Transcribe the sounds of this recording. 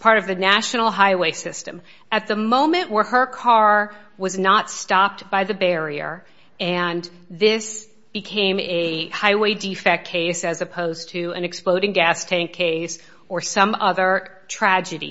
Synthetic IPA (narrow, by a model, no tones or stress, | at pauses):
pʰɑɹɾʌvðɨnæʃnl̩ˠɦaɪweɪsɪstɨ̃m | ɨt̪̚ðəmõʊ̃mɨ̃nʔwə˞ə˞kʰɑɹ | wʌznətstɑp̚t̚b̥aɪðɨbɛɹiə̰˞ | ɨ̃n | ðɪs | b̥ɨkʰẽɪ̃mɨhaɪweɪdifɛk̚kʰeɪsɨzɨpʰoʊz̥tʰɨɨ̰̃nɨksploʊɾɪ̃ŋɡæstʰæ̃ŋkʰeɪs | ə˞sʌ̃mʌðə˞ | tʰɹ̥æd͡ʒɨɾḭ